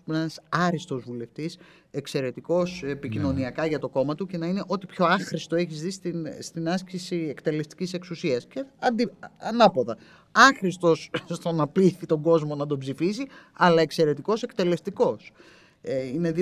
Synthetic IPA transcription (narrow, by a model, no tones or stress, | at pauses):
nenɐsɐɾist̪o̞zvule̞ft̪is | ekse̞ɾe̞t̪iko̞sepicino̞niɐkɐʝɐt̪o̞ko̞mɐt̪uce̞nɐine̞ʔo̞t̪ipço̞ɐxɾist̪o̞e̞çizðist̪inst̪inɐscisiekt̪e̞le̞st̪i̥cise̞ksusiɐsceɐnd̪iɐnɐpo̞ðɐ | ɐxɾist̪o̞sst̪o̞nɐpliθit̪o̞ŋɡo̞zmo̞nɐd̪o̞bzifisiɐlɐe̞kse̞ɾe̞t̪iko̞se̞kt̪e̞le̞st̪iko̞s | eine̞ði